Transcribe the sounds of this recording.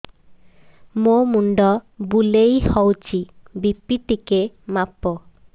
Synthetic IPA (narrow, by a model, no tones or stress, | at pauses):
momuɳɖɔbulejhɔwt͡ɕibipːiʈ̪ike | mapːo